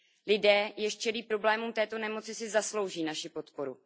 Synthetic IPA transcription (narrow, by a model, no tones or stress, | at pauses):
lɪdɛːjɛʃt͡ʃɛliːpɾo̞blɛːmuːmt̪ɛːt̪o̞nɛmo̞t͡sɪsɪzaslo̞wʒiːnaʃɪpo̞t̪po̞ɾṵ